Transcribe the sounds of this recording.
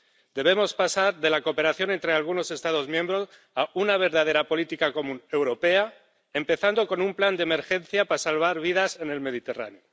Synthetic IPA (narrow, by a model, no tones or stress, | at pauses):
d̪̥e̞β̞e̞mo̞spasaɾðe̞lako̞pe̞ɾaθjo̞ne̞nt̪ɾealɣ̞uno̞se̞st̪að̞o̞zmjẽmbɾo̞s | aunaβ̞e̞ɾðaðe̞ɾapo̞lit̪ikako̞mũne̞wɾo̞pe̞a | empe̞θand̪oko̞numpland̪eme̞ɾxe̞nθjapasalβ̞aɾβ̞ið̞ase̞ne̞lme̞ð̞it̪e̞ra̰neo